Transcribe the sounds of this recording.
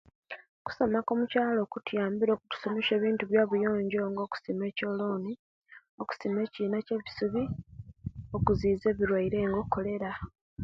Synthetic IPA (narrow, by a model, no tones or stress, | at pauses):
ku̥so̞mako̞ːmucaːlo̞ːkutjaːmbiɾo̞ːkutu̥so̞me̞ʃe̞ːβiːntuβjaːβujo̞ːɲɟo̞ːŋɡo̞ːku̥sime̞ːco̞ːloːni | oku̥sime̞ːciːnace̞βisuβi | o̞kuziːze̞ːβiɾwaiɾe̞ːŋɡokːo̞le̞ɾa